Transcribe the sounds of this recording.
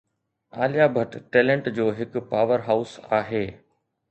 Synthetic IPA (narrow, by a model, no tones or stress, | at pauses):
aːlijaːbʱɐʈʈeːlẽɳʈd͡ʑoːɦɪkʊ̆paːʋəɾɦaːʊsaːɦeː